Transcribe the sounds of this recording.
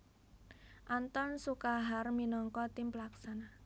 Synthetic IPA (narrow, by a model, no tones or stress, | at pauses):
ʔant̪ɔnsukaɦarminɔŋkɔt̪ɪmpəlaksana